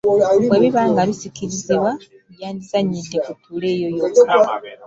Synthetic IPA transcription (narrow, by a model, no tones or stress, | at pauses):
weβiβaːŋɡaβisikiɾiziβwa | ujaːndizaɲːide̞kutʰuːle̞ːjojo